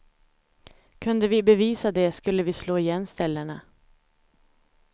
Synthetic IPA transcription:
kʰɵnd̪əvɪbɛviːsad̪ɛskɵlːəvɪsloːɪjɛnːst̪ɛlːəɳa

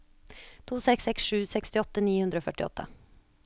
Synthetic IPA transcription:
t̪ʰuːsɛksɛksʂʉːsɛkst̪ɪɔt̪ːəniːhʉnd̪ɾoːfœʈɪɔ̰t̪ʰːə̰

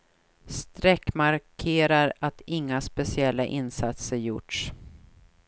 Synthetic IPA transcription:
st̪ɾɛkːmaɾkʰeːɾaɾat̪ɪŋːaspɛsɪɛlːaʔɪnsat̪səɾjʊ̰ʈʂ

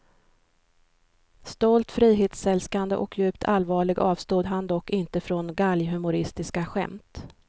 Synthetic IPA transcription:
st̪ɔlt̪fɾiːɦeːt̪sɛlskand̪ə̰ʔɔkʰjʉ̟ːpt̪ʰalvɑːɭɪɡɑːvst̪uːd̪ɦand̪ɔkːɪnt̪əfɾɔnɡaljɦɵmʊɾɪst̪ɪskaɧɛ̰mt̪

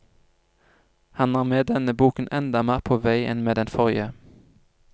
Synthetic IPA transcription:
hɑnɑːʁmeːd̪ɛnəbuːkn̩ʔɛnd̪ɑmæːʁpʰoːʋæɪʔɛ̰nmeːd̪ɛnfɔʁə

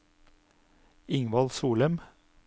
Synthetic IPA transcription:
ɪŋʋɑlsuːləm

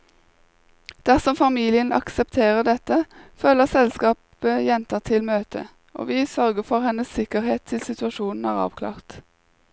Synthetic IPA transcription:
d̪̥æʁsɔmfɑmiːlɪənɑ̰ksɛpt̪ʰeːʁəd̪ɛt̪əføːləʁsɛlskɑːp | əjɛnt̪əʁt̪ʰɪlmøːt̪ʰə̰ | ʔo̰ːʋiːsœʁɡəfɔʁhɛnəsːɪkəʁheːt̪ʰɪlsɪt̪ʉɑʃuːnn̩æ̰ːʁɑ̰ːʋkʰlɑ̰ːʁt̪

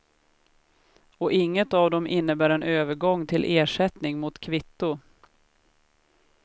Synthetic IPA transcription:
ɔʔɪŋːət̪ɑvd̪ɔmʔɪnːəbæːɾɛnøːvəɾɡɔŋːt̪ʰɪlʔeːʂɛt̪nɪŋmʊt̪kʰvɪt̪ːʊ

